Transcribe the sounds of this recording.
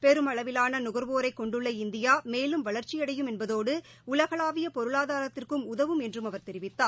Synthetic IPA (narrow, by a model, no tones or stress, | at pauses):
pɛɾɯmɐɭɐʋɪlaːnɐnʊɣɐɾʋoːɾɐɪkːɔɳɖɯɭːɐɪnd̪ɪjaːmeːlɯmʋɐɭɐɾt͡ʃɪjɐɽɐjɯmɛnbɐðoːɽɯ | ʊlɐɣɐɭaːʋɪjɐpɔɾɯɭaːðaːɾɐt̪ːɪrkɯmʊðɐʋɯmɛndrɯmɐʋɐɾt̪ɛɾɪʋɪt̪ːaː